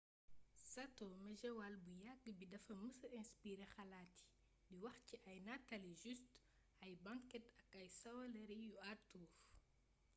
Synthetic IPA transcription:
sɐtomɐʒɛwalbujaɡbidɐfɐməsɐɛ̃nspiɾexɐlaːti̥ | diwɐxciʔɐjnatɐliʒyst | ɐjbaŋkɛtɐkɐjsɐwɐlɐɾijuatuːf

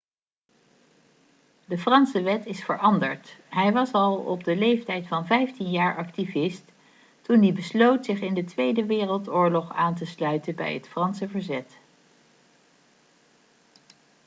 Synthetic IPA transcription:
dəfrɑnsəʋɛtɪsfəɹʔɑndə̰ɹtɦɛjʋɑsɑlˠɔ̰b̚dəlejftɛjtfɑnvɛjftinjaːɹʔɑktivɪst | tundibəslowtsɪχɪndətʋejdəʋɪːrəlˠtʊːɹlɔχaːntəslœɥtənbɛ̰jɦətfrɑnsəvəɹzɛt

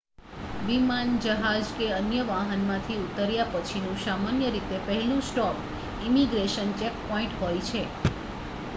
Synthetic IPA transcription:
ʋimand͡ʒəɦad͡ʒkeənjəʋaɦənmãt̪ʰiut̪əɾjapət͡ʃʰinũsamanjəɾit̪epəɦɛlũsʈɔp | imiɡɾeʃənt͡ʃɛk̚pɔĩɳʈɦojt͡ʃʰe

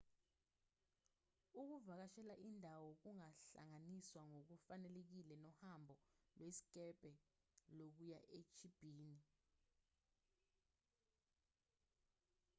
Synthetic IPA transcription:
uk̬uvak̬aʃɛlaʔindʱawɔk̬uŋaɬa̰ŋaniswaŋok̬ufanɛlek̬ilɛnɔhambʱɔlwesi̥k̬ʼɛb̥ʱʼɛlok̬ujaʔet͡ʃʰib̥ʱiːni

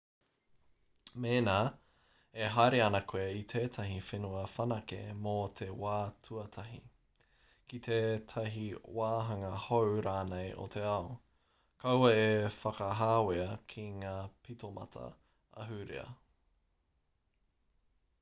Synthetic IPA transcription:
meːnaː | eɦajɾeɐnɐkʰoeit̪ʰeːt̪ʰɐɦifenuɐfɐnɐkḛmot̪ʰe̞waːtʰuɐt̪ʰɐɦḭ | kit̪ʰeːtʰɐɦiwaːɦɐŋɐhowɾaːnejʔo̰t̪ʰe̞ɐo | kʰɐwɐefɐkɐɦaːweɐkʰiŋaːpʰitomʔɐ̰tʰɐ̰ | ɐ̰ɦʉɾḛɐ̰

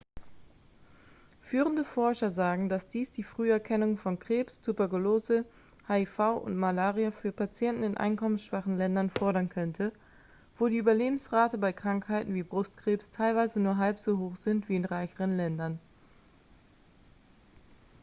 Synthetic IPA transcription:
fyːʁəndəfɔɐʃɐzaːɡŋ̩dasd̥iːsd̥iːfʁ̥yːɛɐkʰɛnʊŋfɔnkʁ̥eːpstʰupɛɐkuloːzə | haːifaʊʔʊ̰ntmalaːʁiafyːɐpat͡sjɛntn̩ɪnʔa̰ɪnkɔmənsʃv̥aχn̩lɛndɐnfɔɐɾɐnkʰœntʰə | voːɾiːʔyːbɐleːbm̩sʁaːtəbaɪkʁ̥aŋkhaɪtn̩viːbʁʊstkʁ̥eːpstʰaɪlvaɪzənuːɐɦalpz̥oːɦoːxz̥ɪntv̥iːɪnʁaɪçəʁənlɛndɐn

